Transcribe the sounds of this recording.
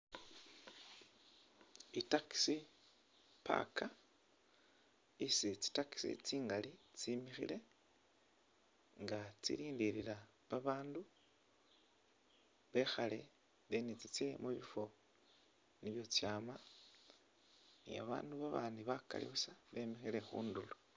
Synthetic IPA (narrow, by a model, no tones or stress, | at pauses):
itaki̥si | pa̰ka | isit͡si̥taki̥sḭt͡siːŋɡalit͡simixḭle̞ | ŋɡat͡sḭɾiːndiɾiɾa | βaβaːndu | βe̞xale̞ | βenit͡sit͡se̞muβifo̞ | niβjo̞t͡sjaːma | nḭa̰βa̰ːnduβaβaːndiβaka̰lḭβusaβe̞mixile̞xṵːndulo